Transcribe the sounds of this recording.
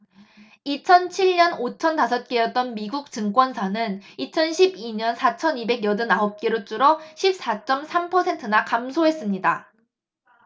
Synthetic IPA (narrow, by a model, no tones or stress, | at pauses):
it͡ɕʰʌnt͡ɕʰiɭɲʌnot͡ɕʰʌntasʰʌt̚k͈ejʌt̚t͈ʌnmiɡuk̚t͡ɕɯŋk͈wʌnsʰanɯnit͡ɕʰʌnɕʰibiɲʌnsʰat͡ɕʰʌnibe̞ɡjʌdɯnaɦop̚k͈eɾot͡ɕ͈uɾʌɕʰip̚s͈at͡ɕ͈ʌmsʰampʰʌsʰe̞ntʰɯnakamsʰoɦe̞s͈ɯmɲida